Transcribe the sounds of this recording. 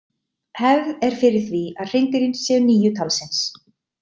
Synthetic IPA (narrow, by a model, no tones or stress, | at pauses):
hɛvðɛɾ̥fɪɾɪɾ̥θviaðr̥ejnt̪ɪɾɪnsɛðʏniːjʏt̪ʰawlsɛns